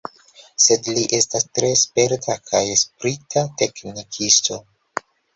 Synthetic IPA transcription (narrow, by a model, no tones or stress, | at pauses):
se̞dliʔe̞stastɾe̞spe̞ɾtʰakʰajspɾitʰate̞knikʰisto̞